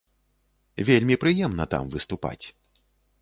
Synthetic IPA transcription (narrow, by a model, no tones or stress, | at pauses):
vʲelʲmʲipɾɨjɛmnɐt̪a̰mvɨst̪upa̰t͡sʲ